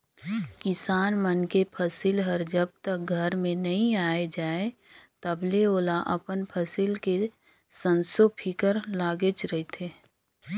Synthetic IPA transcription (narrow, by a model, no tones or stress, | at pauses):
kɪsaːnmənkepʰəsilɦəɾd͡ʒəb̚t̪ək̚ɡʱəɾmẽnɐɦĩaːed͡ʒaːe | t̪əbleoːlaʔəpənpʰəsilke | sə̃nsopʰikəɾlaːɡət͡ʃɾəɦit̪ʰeː